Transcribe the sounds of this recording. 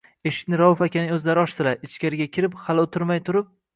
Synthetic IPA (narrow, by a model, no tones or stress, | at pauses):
eʃɪ̥kʲnɪɾawʊfakʲanɪɵzlaɾɪɒʃt̪ʰɪlaɪt͡ʃkʲaɾɪɡʲakʲʰɪɾɪphalot̪ʰɪɾmajt̪ʰʊɾɪp̚